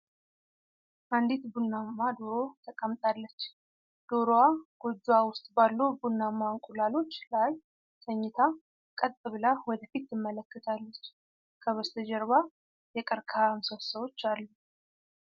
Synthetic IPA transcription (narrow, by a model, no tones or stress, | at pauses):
ʔand̪it̪bulnamːad̪oɾo̞t̪ʰəkʼəmt̪ʼalːət͡ʃː | d̪̥oɾoaɡ̥od͡ʒːuwawʊst̪ʼbalːobulːamːaŋkʼulalo̞t͡ʃːlaj | sʰəɲːɪt̪ʰa | kʼət̪ʼːɨβlawɔd̪əfit̪ːɨmːələkːət̪ʰalːət͡ʃː | kʰəβəst̪ʰəd͡ʒɛɾβa | jɛkʼəɾkʰamsəwsəwo̞t͡ʃːalːu